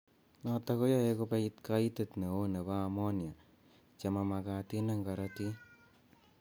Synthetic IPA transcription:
nɔtakojaekopeitkaitetneoneβaːmɔnja | t͡ʃamamakatinaŋɡaɾati

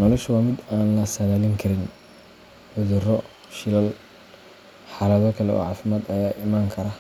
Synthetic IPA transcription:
nɔlɔʃwɑːmɪd̪aːnlɐsɐðaːlɪŋkʰɐɾɪn | ħʊðʊrɔ | ʃɪlɐl | ħɑːlɐðɔkʰɐlɛɔ̰ʕɑːfɪmaːd̪ɐjaːʔɪmaːŋkʰɐɾa

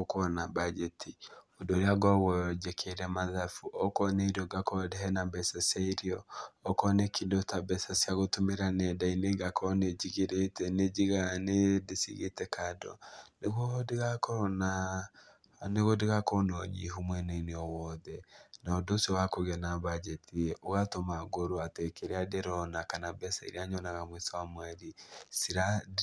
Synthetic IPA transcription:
okɔnabad͡ʒɛtʰiodoɾeaɡɔɣɔd͡ʒɛkʰeɾɛmaðafuʔɔkɔnɛiɾiɔɡakɔdɛɦɛnabɛsasaiɾiɔːkɔnɛkʰidotabɛsasjaɣotomeɾanɛdaineɡakʰɔned͡ʒiɣeɾetɛned͡ʒiɣanedesiɣḛtɛkadɔ̰neɣodeɣakna | neɣodeɣakɔnɔɲḭɦumwɛneineɔwɔðɛnaodosiɔwakoɣɛnabad͡ʒɛtʰiɛʔoɣatomaɡoɾoatekeɾeadeɾɔnakanabɛsaiɾeaɲɔnaɣamwesawamwɛɾisiɾa

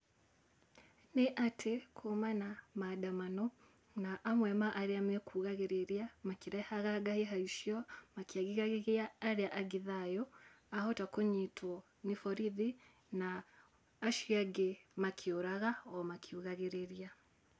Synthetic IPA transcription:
neʔatʰekʰomanamadamanɔ | naʔamwɛmaʔaɾeamekʰuːɣaɣeɾeɾiamakiɾɛhaɣaɡaheɦaiʃjɔmakiaɣiɣaɣeɣeaːɾeaʔaɡiðajɔ | ahɔtakoɲitʰwɔ | nifɔɾiði | naː | ʃjaɡemakʰioɾaɣaɔmakʰiuɣaɣeɾeɾia

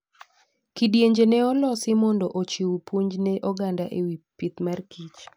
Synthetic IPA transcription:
kidjeɲd͡ʒenɛɔlɔsɪmɔndɔʔot͡ʃiwupwoɲd͡ʒnɛʔɔɡandaʔewipit̪markit͡ʃ

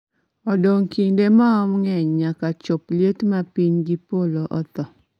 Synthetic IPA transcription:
ɔdoŋkindemaɔmŋɛɲɲakat͡ʃopljetmapiɲɡipoloʔɔt̪ɔ

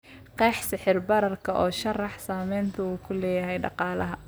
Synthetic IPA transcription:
qɛːħsɪħɪrbɐɾɐrkʰɐʔɔːʃɐrɑħsaːmɛjnt̪ʰɐuːkʰʊlɛːjɐɦɛjɖɑ̰qɑːlɐ̰ɦɐ

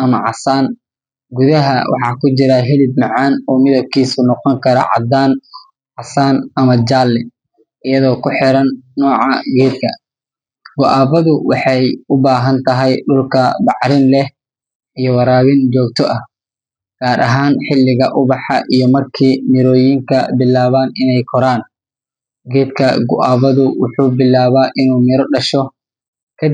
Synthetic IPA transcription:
ʔɐmɐʕɑsaːn | ɡuðɐɦɐwʔɑ̰ħɑːkʰʊt͡ʃɪɾɐɦɪlɪb̪̚mɑʕɑːnɔːmɪðɐb̚kʰiːsʊnɔqɔŋkʰɐɾɐ̰ʕɑ̰d̪aːn | ʕɑsaːnɐmɐd͡ʒaːlːɛ | ʔɪjɐðɔːkʰʊħɪɾɐnːɔːʕɑɡɛːd̪̚kʰɐ | wʊʔaːbɐðʊwɑħɑjʊbaːɦɐnt̪ʰɐɦɛjɗʊlkʰɐdɑʕɾɪnlɛh | ijɔwɑɾaːβɪnd͡ʒɔːk̚t̪ʰɔʔɐh | ɡ̥aːɾʔɐ̰ɦaːnħɪlːɪɣɐʔʊβɑħɑʔijɞmɐrkʰiːmɪɾɔːjiŋkʰɐbɪlːaːβaːnɪnɛjkʰɔɾaːn | ɡɛːd̪kʰɐ̰ɡʊ̰ʔaːβɐðʊwʊħuːbɪlːaːβaːʔɪnuːmɪɾɔɖɐʃɔ | kʰɐ

